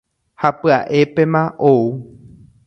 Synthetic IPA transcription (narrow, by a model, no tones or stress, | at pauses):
hapɨaʔe̞pe̞mãʔou